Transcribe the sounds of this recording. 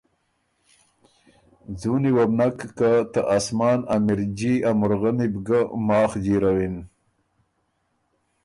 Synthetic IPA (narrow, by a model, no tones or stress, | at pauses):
d͡zuniwabnakːat̪aʔasmɑːnamiɾd͡ʑiamʊɾɣanibɡəmɑːxd͡ʒiɾawin